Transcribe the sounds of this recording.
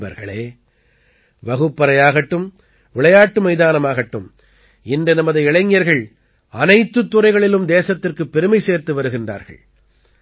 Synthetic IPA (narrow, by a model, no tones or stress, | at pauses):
bɐ̰ɾɣɐ̰ɭeː | ʋɐɣɯpːɐɾɐjaːɣɐʈːɯm | ʋɪɭɐjaːʈːɯmɐɪðaːnɐmaːɣɐʈːɯm | ɪndɯnɐmɐðɯɪɭɐŋːɪjɐɾɣɐɭ | ɐnɐɪt̪ːɯt̪ːʊrɐɪɣɐɭɪlɯmd̪eːsɐt̪ːɪrkɯpːɛɾɯmɐɪseːɾt̪ɯʋɐɾɯɣɪndra̰ːɾɣɐ̰ɭ